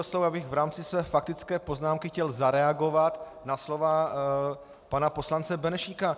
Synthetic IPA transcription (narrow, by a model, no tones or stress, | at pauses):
oslowabɪɣvɾaːmt͡sɪsvɛːfak̚t̪ɪt͡skɛːpo̞znaːmkɪxcɛlzaɾɛaɡo̞vat̪ | naslo̞va | panapo̞slant͡sɛbɛnɛʃika